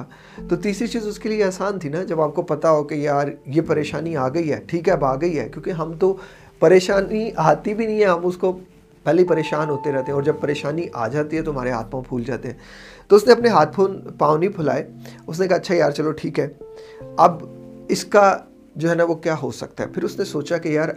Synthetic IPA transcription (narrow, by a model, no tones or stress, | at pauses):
t̪ot̪iːsɾit͡ʃiːzʊskelieaːsaːnt̪ʰinad͡ʒɐbaːp̚kopɐt̪aɦokejaːɾjepɐɾeːʃaːniaːɡɐiɦɛ̰ːʈʰiːkɦɛɐbaːɡɐiɦɛ̰ːkjõːkiɦɐmt̪o | pɐɾeːʃaːniʔat̪ibʱinɐɦĩɦɛɦɐmʊsko | bʱɛːlipɐɾeːʃaːnɦoːt̪eɾɛɦt̪eɦɛ̃ɔːɾd͡ʒɐb̚pɐɾeːʃaːniʔa̰ːd͡ʒaːt̪iɦɛ̃t̪oɦɐmaːɾeɦa̰ːt̪mapʰuːld͡ʒa̰ːt̪eɦɛ̃ː | t̪oʊsneɐpneɦaːt̪̚ʰpʰoːnpaːʋnipʰʊla̰ːeʊs̬nekaɐtːʃʰajaːɾt͡ʃɐloʈʰiːkɦɛːɐbɪska | d͡ʒoːɦɛnaʋokjaːɦo̰sɐ̰k̚t̪aɦɛ̰pʰɪɾʊsnesoːt͡ʃakejaːɾ